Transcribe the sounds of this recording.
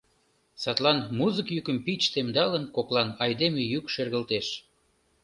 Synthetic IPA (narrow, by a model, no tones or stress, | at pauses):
sɑt̪lɑnmuzəkjykəmpit͡ɕt̪emd̪ɑlənkoklɑnɑjd̪emejykʃerɣəlt̪eʃ